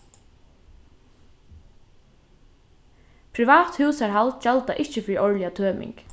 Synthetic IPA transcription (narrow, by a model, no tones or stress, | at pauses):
pʰɾɪʋaːt̪huwsaɹɦalt̪ʃɛlt̪aʔɪht͡ʃəfɾiʔɔɹlɪat̪ʰøːmɪ̰ŋk